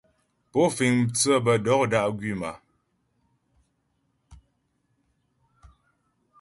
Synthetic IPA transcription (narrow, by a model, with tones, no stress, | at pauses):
po˦fi˨ŋt͡sə˦˨bə˨dɔ˨˦k̚da˦ʔɡɥi˦˨ma˨